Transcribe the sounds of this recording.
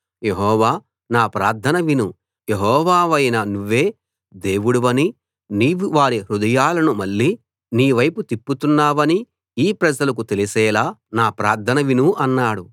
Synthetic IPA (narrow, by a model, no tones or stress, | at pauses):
je̞ɦɔːʋaː | naːpɾaːɾt̪ʰɐnɐʋinu | je̞ɦɔːʋaːʋɐjnɐnuʋːe̞ː | d̪e̞ːʋuɽuʋɐni | niːʋuʋaːɾiɾud̪ɐjaːlɐnumɐɭːiː | niːʋɐjput̪ipːut̪unːaːʋɐni | iːpɾɐd͡ʒɐlɐk̬ut̪e̞lisɛːlaːnaːpɾaːɾd̪ʰʱɐnɐʋinuʔɐnːaːɽu